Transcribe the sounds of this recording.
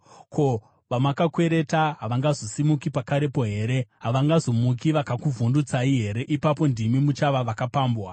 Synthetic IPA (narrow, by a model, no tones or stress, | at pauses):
ko̞ | ʋamakakwe̞ɾe̞taɦaʋaŋɡazosimukipakaɾe̞po̞ɦe̞ːɾe̞ɦaʋaŋɡazo̞mukiʋakakuvʱundut͡saiɦe̞ɾe̞ʔipapo̞ndimimut͡ʃaʋaʋakapaːmbwa